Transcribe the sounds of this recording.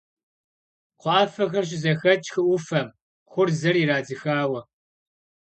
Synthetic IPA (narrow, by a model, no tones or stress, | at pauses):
qʷɑːfɐxɐɕ̬ʼɪzɐxɐt͡ʃʼxɨʔʷʊfɐm | χʷʊrzɐriːɾaːd͡zɨxaːwɐ